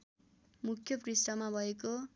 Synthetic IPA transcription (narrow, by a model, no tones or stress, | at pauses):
mukʰjʌprisrʌmabʱʌeko